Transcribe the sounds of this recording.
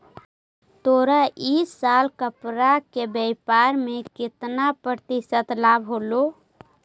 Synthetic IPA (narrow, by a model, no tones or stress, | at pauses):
t̪oɾaʔisalkəpɾakebɛjpaɾmekɪt̪napɾɾət̪isət̪labʱɦolo